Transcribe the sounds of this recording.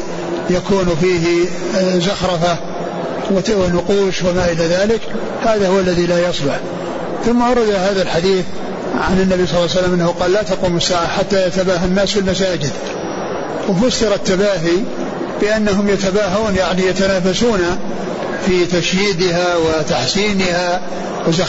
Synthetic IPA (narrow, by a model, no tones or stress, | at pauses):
jakuːnfiːɦɪ | zaxɾˤɑfa | wwɪnʊquːʃwɪmaːʔɪlaðaːlɪk | haːðahʊwalːaðilaːjɑsˤlɑħ | θʊmːaʔɑɾˤɑd̪aɦaːðalħad̪iːθ | ʕa̰nɪnːabijsˤɑlːs̬alːamʔanːahuqɑːlːlaːt̪ɑquːmasːaːʕaħat̪ːajat̪abaːɦanːaːsfɪlmasaːd͡ʒɪd̪ | wɪfʊsːɪɾˤat̪ːabaːɦi | b̥ɪʔanːaɦʊmjat̪abaːɦuːnjaʕnijat̪anaːfasuːna | fit̪aʃjiːd̪ɪɦawɪt̪aħsiːnɪha | wɪza